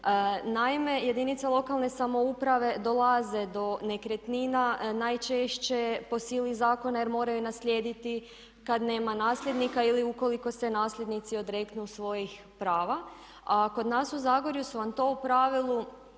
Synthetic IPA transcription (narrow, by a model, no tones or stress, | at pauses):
naime̞je̞d̪init̪salˠo̞kalˠne̞samo̞upɾaʋe̞d̪o̞lˠaze̞d̪o̞ne̞kɾet̪ninanajt͡ʃe̞ʃt͡ɕe̞po̞silizaːko̞naje̞ɾmo̞ːɾajunaslʲje̞ːd̪it̪i | kad̪ne̞ːmanaːsʎʲe̞d̪nikailiuko̞liko̞se̞naːslʎʲe̞d̪nit̪sio̞d̪ɾe̞kt̪nusʋo̞jix | pɾaːʋa | ako̞d̪naːsuzaːɡo̞ɾjusuʋamt̪o̞upɾaʋilˠu